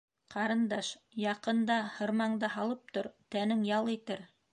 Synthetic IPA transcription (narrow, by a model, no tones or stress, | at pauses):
qʰɑɾɤ̆nd̪ɑʃjɑqɤ̆nd̪ɑhɤ̆ɾmɑɴd̪ɑɦɑlˠɤp̚t̪oɾt̪ænɘŋjɑlˠit̪ɘɾ